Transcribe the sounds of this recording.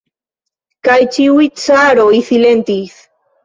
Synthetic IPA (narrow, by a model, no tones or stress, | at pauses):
kajt͡ʃiujt͡saɾoiθilent̪is